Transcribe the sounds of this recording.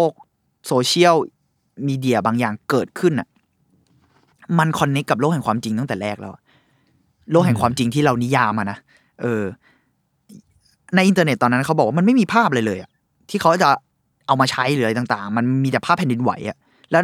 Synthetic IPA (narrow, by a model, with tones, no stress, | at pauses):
lo˥˩k̚ | soː˧t͡ɕʰi˥˩əw | miː˧di˧ɐ˧baː˧ŋjaː˨˩ŋkɤː˨˩t̪̚kʰɯ˥˩nʔa˨˩ | ma˧nkʰɔ˧nːe˦˥kːa˨˩p̚loː˥˩k̚hɛ˨˩ŋkwaː˧mt͡ɕi˧ŋt̪a˥˩ŋt̪ɛː˨˩ɾɛː˥˩k̚lɛ̰˦˥wʔa̰˨˩ʔ | lo˥˩k̚ɦɛ˨˩ŋkʰwaː˧mt͡ɕi˧ŋt̪ʰiː˥˩ɾa˧wni˦˥jaː˧mːa˧na˦˥ | ʔɤː˧ | na˧jʔi˧nt̪əː˧ne˨˩t̪ːɔː˧nːa˦˥˩kʰa˦˥wbɔ˨˩wa˥ma˧ma˥˩jmiː˧pʰaː˥˩p̚lɤː˧jlɤː˧jʔa˨˩ʔ | t̪ʰiː˥˩a˦˥wkaː˥˩t͡ɕa˨˩ | ʔa˧wmaː˧t͡ɕʰa˦˥jɾɯː˦a˧jt̪a˨˩ŋt̪a̰ː˨˩ŋma˧nmiː˧t̪ɛː˨˩pʰaː˥˩pʰːɛ˨ndi˧nwa̰˨˩˦jʔa̰˨˩ | lɛː˦˥